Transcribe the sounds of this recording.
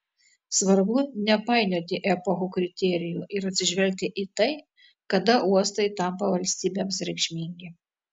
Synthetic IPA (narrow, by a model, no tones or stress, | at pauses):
sʋɐɾbʊnʲɛpɑˑɪnʲoːt̪ʲɪʔɛpoxuːkɾʲɪt̪ʲɛɾʲɪjuːʔɪɾɐt̪ʲsʲɪʒʲʋʲɛlʲk̚t̪ʲɪʔit̪ɐɪ | kɐd̪ɐʔuɔst̪ɐɪt̪ɐmpɐʋɐlʲsʲt̪ʲiːbʲeːmsɾʲɛɪkʃʲmʲiŋʲɡʲɪ